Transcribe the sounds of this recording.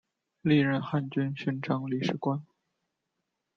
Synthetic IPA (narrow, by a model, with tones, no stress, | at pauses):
li˥˧ɻə˥˧˩nxa˥˩nt͡ɕy˥nɕy˥nʈ͡ʂʰɑ˥˩ŋli˧˩ʂɻ̩˥kwa˥n